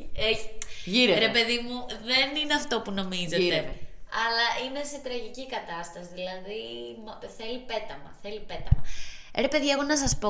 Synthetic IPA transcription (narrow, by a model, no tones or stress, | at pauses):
eʝiɾeɾepe̞ðimuðenineɐft̪o̞puno̞mizet̪eɐlɐʔine̞se̞t̪ɾɐʝicikɐt̪ɐst̪ɐsiðilɐðimɐθe̞lipe̞t̪ɐmɐ̰θe̞lipe̞t̪ɐmɐɾe̞pe̞ðie̞ɣo̞nɐs̬ɐspo̞